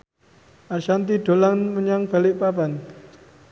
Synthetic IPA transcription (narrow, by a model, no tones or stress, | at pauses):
aʃant̪iɖ̥o̤laŋməɲaŋb̥a̤lɪʔpab̥an